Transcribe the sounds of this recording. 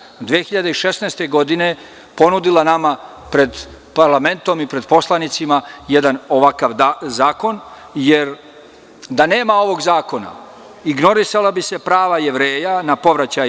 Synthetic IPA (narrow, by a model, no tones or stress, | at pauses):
d̪ʋeːxiʎad̪eiʃe̞sneːst̪e̞ɡo̞d̪ine̞ | po̞nud̪ilˠanama | pɾe̞d̪ | paɾlˠame̞nt̪o̞mipɾe̞d̪po̞slˠanit̪simajed̪ano̞ʋakaʋzaːko̞n | je̞ɾ | d̪ane̞ːmao̞ʋo̞ɡzaːko̞na̰ | iɡno̞ɾisalabise̞pɾaːʋaje̞ʋɾe̞ːjanapo̞ʋɾat͡ɕaj